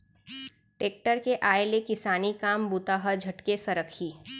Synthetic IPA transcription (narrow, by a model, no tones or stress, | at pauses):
ʈeːk̚ʈəɾkeʔaːelekɪsaːnikaːmbut̪aːɦəd͡ʒʱɐʈkesɐɾəkʰiː